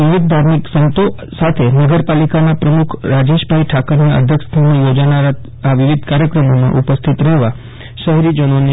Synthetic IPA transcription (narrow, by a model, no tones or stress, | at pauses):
ʋɪʋid̪̚d̪ʱaɾmiksənt̪o | sat̪ʰenəɡəɾpalikanapɾəmukʰɾad͡ʒeʃbʱaiʈʰakəɾniə̰d̪ʱjəkst̪ʰanejod͡ʒanaɾa | aʋɪʋid̪ʱkaɾjəkɾəmomã̰ʔupəst̪ʰit̪ɾɛɦʋa | ʃəɦɾid͡ʒənone